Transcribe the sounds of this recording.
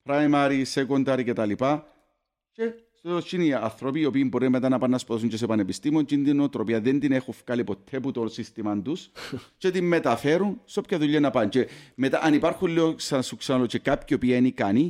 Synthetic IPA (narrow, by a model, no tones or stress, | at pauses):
pɾajmɐɾisekond̪ɐɾiket̪ɐlipɐ | t͡ʃe | sot͡ʃːiniɐ̰θɾo̞piːo̞piːmboɾimet̪anɐpɐnːɐspoðɐs̬uɲt͡ʃes̬epɐnepist̪imont͡ʃind̪inot̪ɾo̞piɐðend̪inexufkalipot̪ʰːeput̪onsist̪imɐnd̪ust͡ʃet̪imːet̪ɐfeɾunsopçɐðuʎːɐnɐpɐnt͡ʃemet̪aʔɐnipaɾxunleoksɐnsuksenalot͡ʃekapçio̞piɐenikani